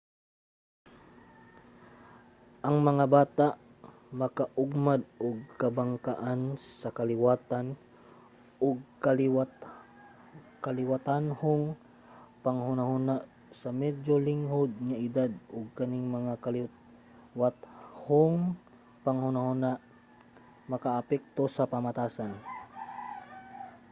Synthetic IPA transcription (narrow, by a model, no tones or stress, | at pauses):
ʔɐŋmɐŋabaːt̪aʔ | mɐkaʔʊɡ̚mad̪̚ʔʊɡ̚kɐbaŋkaʔansɐkɐlɪwaːt̪an | ʔʊɡ̚ka | kɐlɪwat̪anhʊŋ | pɐŋhʊnahʊnaʔ | sɐmɛdolɪŋhod̪̚ŋaʔɪd̪ad̪̚ʊɡ̚kɐnɪŋmɐŋakɐl | wat̪hʊŋ | pɐŋhʊnahʊnaʔ | mɐkaʔɐpɛk̚t̪osɐpɐmat̪aːsan